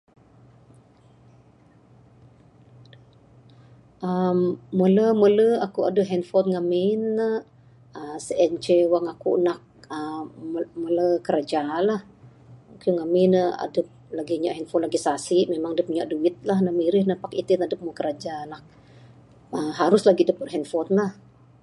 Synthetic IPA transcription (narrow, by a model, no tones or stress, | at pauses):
ʔəmːələmələakua̰dəpɦɛnfɔnŋamɪnːə | əsəʔɛnt͡ʃewaŋakṵʔnak̚ə | mələkəɾad͡ʒalah | kuŋamɪnəa̰dəp̚laɡiɲa̰ʔɦɛnfɔnlaɡisasiʔmemaŋadəp̚iɲaʔduɪt̪̚lahnəmiɾɪhnəpakit̪inadəp̚məkəɾad͡ʒalah | əɦaɾʊslaɡidəpərɦɛnfɔnlah